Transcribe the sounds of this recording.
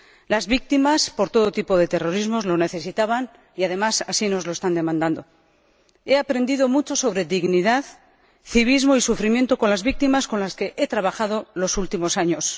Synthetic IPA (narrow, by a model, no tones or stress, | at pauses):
lazβik̚t̪imaspo̞ɾt̪o̞ðo̞t̪ipo̞ðe̞t̪e̞ro̞ɾizmo̞zlo̞ne̞θe̞sit̪aβan | iað̞e̞masasino̞zlo̞e̞st̪and̪e̞mãnd̪and̪o̞ | e̞apɾe̞nd̪iðo̞mut͡ʃo̞so̞β̞ɾe̞ðiɣniðað | θiβ̞izmo̞isufɾimje̞nt̪o̞ko̞nlazβik̚t̪imasko̞nlaske̞ʔe̞t̪ɾaβaxað̞o̞lo̞sult̪imo̞saɲo̞s